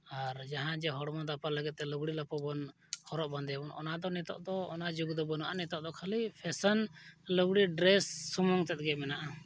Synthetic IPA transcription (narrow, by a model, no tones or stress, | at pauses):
aɾd͡ʒaɦãd͡ʒɛɦɔɽɔmad̪apaləɡɛt̪̚t̪ɛləɡɽilapɔbɔn | hɔɾɔʔband̪ɛbɔnɔ̰nad̪ɔnɛt̪ɔ̰ʔd̪ɔːnad͡ʒuɡd̪ɔbɔnaʔanɛt̪ɔʔd̪ɔkʰalipʰɛsənləɡɽiɖɾɛsːumɔŋt̪ɛt̪̚ɡɛmɛnaʔa